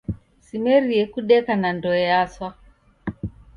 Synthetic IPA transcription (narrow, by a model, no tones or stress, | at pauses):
simɛɾiɛkuɗɛkanandɔɛaswa